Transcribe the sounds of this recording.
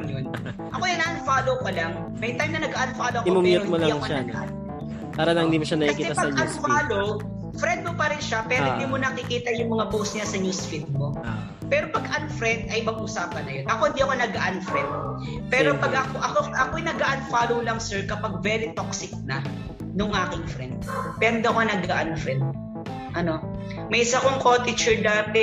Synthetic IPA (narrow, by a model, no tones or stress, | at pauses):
jon | ʔɐko̞jɐnɐʔɐnfaːlowkolaŋ | mɐjt̪ajmnɐnɐɡaːʔɐnfaːloʔɐkiomʊmɪoɪmolɐiɐŋoʃaɐɡ̪a̰ʔa̰n | paːɾɐlɐŋhɪnd̪iːmoʃanɐkɐikɐkiːɛt̪apɐɐɐnfaːlow | fɾɛnd̪̚mopɐɾɪnʃapɛɾhɪnd̪iːmonɐkɪkiːt̪ɐjʊŋmɐŋapowst̪ɲasɐnusfit̪̚mo̞ | pɛːɾo̞pɐɡʔɐnfɾɛnd̪ɐjmɐɡ̚ʔʊsaːpɐnːɐjo̞nʔɐko̞hɪnd̪iːɐkonɐɡɐʔɐnfɾɛnd̪̚ | pɛːɾopɐɡɐkoʔɐkoʔɐkoɐjnɐɡaʔɐnfaːlowlɐŋsɛɹkɐpaɡ̚vɛːɾɪt̪oksɪk̚nɐ | nʊŋʔaːkɪŋfɾɛnd̪̥̚pɛɾond̪ɐkanɐɡɐʔɐnfɾɛnd̪̚ | ʔɐno̞ | mɐjʔɪsɐkoŋkot̪ɪt͡ʃɛɹd̪aːt̪ɛ